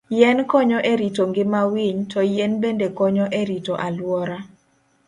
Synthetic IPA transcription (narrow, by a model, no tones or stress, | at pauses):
jɛnkɔɲɔʔeɾitoŋɡɪmawiɲtʰɔjɛnbendekɔɲɔʔeɾitoʔalwɔɾa